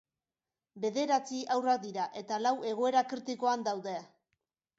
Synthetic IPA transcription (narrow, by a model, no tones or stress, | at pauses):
be̞ðe̞ɾat͡siawrak̚d̪iɾaʔe̞t̪alawe̞ɣ̞o̞e̞ɾakɾit̪iko̞and̪awðe